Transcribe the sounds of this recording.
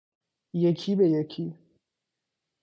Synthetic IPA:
jekʰibejekʰi

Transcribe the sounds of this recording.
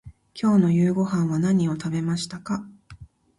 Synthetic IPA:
kʲo̞ːno̞jɯ̟ːɡo̞ɦãɰ̃βanaɲ̟io̞t̪abe̞maɕi̥t̪aka

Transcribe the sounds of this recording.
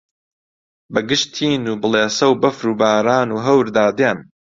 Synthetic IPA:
bɐɡɨʃt̪ʰiːnuːbɨleːsɐwbɐfɾuːbaːɾaːnuːɦɐwɾd̪aːd̪eːn

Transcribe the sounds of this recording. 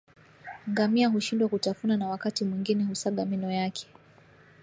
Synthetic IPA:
ŋɡamiaɦuʃindwakutafunanawakatimwiŋɡinɛhusaɠaminɔjakʰɛ̥

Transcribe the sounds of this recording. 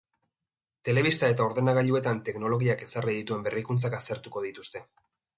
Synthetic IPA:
t̪e̞le̞β̞ist̪ae̞t̪ao̞ɾðe̞naɣaʎue̞t̪ant̪e̞kno̞lo̞ɣiake̞sariðit̪ue̞mberikunt͡sakast̪e̞ɾt̪uko̞ð̞it̪ust̪e̞

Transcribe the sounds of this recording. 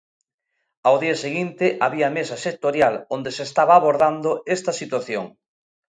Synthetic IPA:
awðiɐseɣint̪ɪʔaβiɐmesɐsek̚t̪oɾjalond̪esest̪aβaːβoɾðand̪oest̪ɐsit̪waθjo̰ŋ

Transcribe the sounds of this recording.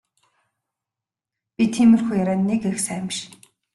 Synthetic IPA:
pʲit̪ʰiːmɘ̆rxujaɾæːnːekexsæːmʃ

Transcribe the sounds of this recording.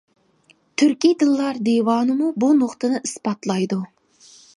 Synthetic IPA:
t̪ʰyɾkʲid̪ɨlˠːɑɾd̪ewɑnɨmubunoqt̪ɨnɨʔɨspɑt̪lˠɑjd̪u

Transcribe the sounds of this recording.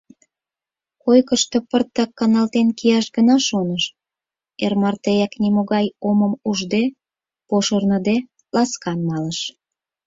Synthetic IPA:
kojkəʃt̪opərt̪ːɑkːɑnɑlt̪enkijɑʃɡənɑʃonəʃ | ḛrmɑrt̪ejɑknimoɣɑjoməmuʒd̪e | poʃərnə̆d̪e | lɑskɑnmɑləʃ

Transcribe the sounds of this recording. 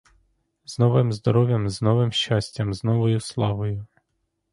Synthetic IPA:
znɔʋɪmzd̪ɔɾɔʋʲjɐmznɔʋɪmʃt͡ʃɑsʲtʲɐmznɔʋɔjʊslˠɑʋɔjʊ

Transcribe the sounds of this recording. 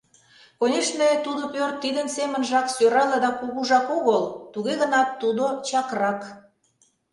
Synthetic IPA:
konʲeʃnet̪ud̪opørt̪ːid̪ənsemənʒɑksøɾɑlɑd̪ɑkuɣuʒɑkoɣəlt̪uɣeɣə̆nɑt̪ːud̪ot͡ɕɑkrɑk

